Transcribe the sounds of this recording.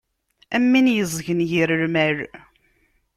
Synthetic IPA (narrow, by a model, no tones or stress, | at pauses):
ʔæmːinjəzˤʝənjiɾəɾmæɾ